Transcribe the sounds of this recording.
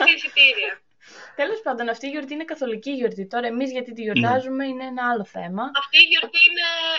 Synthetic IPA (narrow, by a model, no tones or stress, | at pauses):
ɾisit̪iɾiɐ | t̪e̞lo̞spɐnd̪o̞nɐft̪iːʝo̞ɾt̪iinekɐθo̞liciːʝo̞ɾðit̪o̞ɾɐe̞mizʝɐt̪it̪iʝo̞ɾðɐzume̞ineenɐɐlo̞θe̞̰mɐɐfiːʝoɾt̪iine